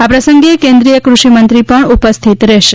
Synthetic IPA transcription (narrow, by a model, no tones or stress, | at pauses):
apɾəsəŋɡekend̪ɾijəkɾuʃimənt̪ɾipəɳupəst̪ʰit̪ɾɛʃ